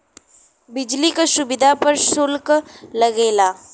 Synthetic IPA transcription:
bɪd͡ʒlikaʃʊbɪd̪ʱapɐɾsʊlklɐɡeːlaː

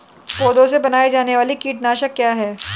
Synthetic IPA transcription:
poːd̪õsebɐnaːed͡ʒaːneʋaːlikiːʈnaːʃəkːjaːɦɛː

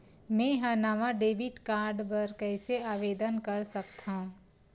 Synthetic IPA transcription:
mẽːɦaːnaːʋaɖeːʋɪʈkaːɾɖpɐɾkɛːseaːʋeːd̪ənkɐɾsɐk̚t̪ã

